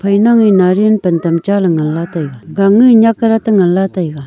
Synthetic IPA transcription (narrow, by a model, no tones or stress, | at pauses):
pʰəjnaŋwinarenpənt̪amt͡ɕalaŋənlat̪ajək̚ɡaŋiɲakəɾat̪əŋənlat̪ajək̚